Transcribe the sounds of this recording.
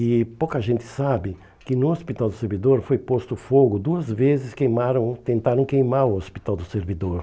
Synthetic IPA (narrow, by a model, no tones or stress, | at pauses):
ɪpowkɐʒẽnt̪ɪ̥sabɪ | kɪnʊospit̪awd̪ʊseɾvid̪oɾfojpost̪ʊfoɡʊd̪uɐzvezɪskejmaɾɐ̃w̃t̪ẽnt̪aɾɐ̃w̃kejmaɾʊospit̪awd̪ʊseɾvid̪oɾ